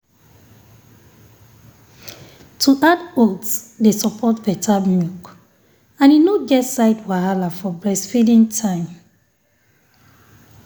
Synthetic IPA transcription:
tʰuðatotdesɔpʰɔtbɛtʰamjuk | ãninoɡɛtsaɪdwaɦalafɔbɹɛsfidĩŋtʰãɪ̃m

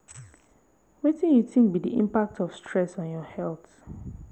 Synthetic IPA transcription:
wetĩnjutɪ̃ŋk̚bidḭʔḭ̃mpak̚tʰɔfstɹɛsɔ̃n̩jɔhɛlˠθ

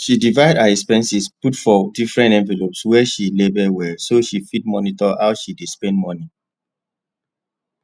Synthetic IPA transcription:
ʃidivaɪdaɛkspɛ̃nsisputfɔdifɹɛ̃ntɛ̃ɱvɛlopswɛʃilebɛwɛsoʃifid̚mɔnitɔhaʊʃidespɛ̃ndmɔni

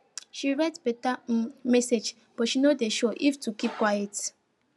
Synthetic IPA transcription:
ʃiɹɛtpetam̩mɛsed͡ʒ | b̥ɔʃinodeʃoʔiftukip̚kwajet

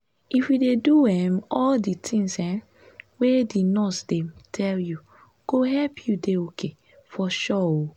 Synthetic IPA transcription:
ifwideduɛmɔlditʰĩŋsɛ̃ | wedinɔsdetʰɛlju | ɡ̥oɦɛlpʰjudeokʰe | fɔʃɔo

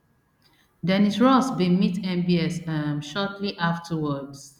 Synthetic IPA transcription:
dɛ̃nisɹɔsbĩmitʰɛ̃mbiɛsamʃɔtʰliʔaftʰəwɔds

